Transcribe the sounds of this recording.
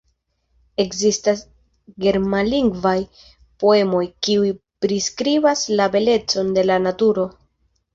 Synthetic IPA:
e̞kzistas | ɡe̞ɾmaliŋɡvaj | po̞e̞mo̞jkiujpɾiskɾibaslabe̞le̞t͡so̞nde̞lanatuɾo̞

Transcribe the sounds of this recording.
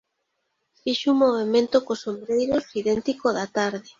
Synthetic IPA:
fiʃuŋmoβemẽnt̪okosombɾejɾosiðent̪ikoðat̪aɾðe

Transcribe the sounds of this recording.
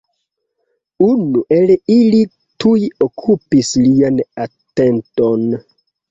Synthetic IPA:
unuʔe̞lili | tujokʰupislianate̞nto̞n

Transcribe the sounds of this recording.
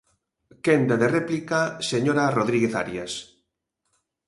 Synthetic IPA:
kend̪aðerɛplikaseɲoɾaroðɾiɣeθa̰ɾjas

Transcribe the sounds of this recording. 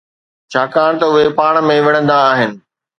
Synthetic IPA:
t͡ɕʰaːkaːɽ̃̆t̪ɐʊɦepaːɽ̃mẽʋɐɽ̃ə̃nd̪aːɦɪnɪ̆

